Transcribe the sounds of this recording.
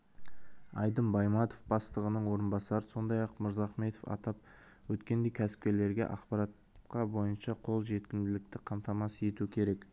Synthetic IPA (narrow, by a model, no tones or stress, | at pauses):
ɑjd̪əmbɑjmɑt̪ofbɑst̪əʁənəɴwo̞ɾənbɑsɑɾəso̞nd̪ɑjɑqmʊɾzɑχme̞t̪ofɑ̰t̪ɑp̚ | wɵt̪kʲe̞nd̪e̞jkʲʰæsɪ̥p̚kʲe̞ɾle̞ɾɡʲe̞̰ʔɑqpɑɾɑt̪ | qɑbo̞jənʃɑqʰo̞lˠʒe̞t̪̚kʲɪmd̪ɪlɪk̚t̪ɪqʰɑmt̪ɑmɑsje̞t̪uɪkʲʰe̞ɾek